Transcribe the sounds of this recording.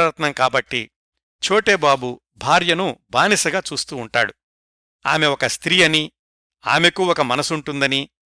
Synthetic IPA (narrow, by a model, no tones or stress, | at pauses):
ɾɐt̪nɐŋkaːbɐʈːi | t͡ʃoːʈe̞ːbaːbu | bʱaːɾjɐnubʱaːnisɐɡaːt͡ʃuːst̪uːɳʈa̰ːɽu | a̰ːme̞ɔkɐst̪ɾiːɐni | a̰ːme̞kuːɔkɐmɐnɐsuɳʈund̪ɐni